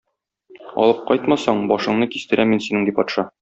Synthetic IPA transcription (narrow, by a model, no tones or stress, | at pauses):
ɒ̰lˠɤp̚qɒjt̪mɑsɑɴbɒʃɤ̆ɴnɤkist̪ɘ̆ɾæminsinɘŋd̪ipɒt̪ʃɑ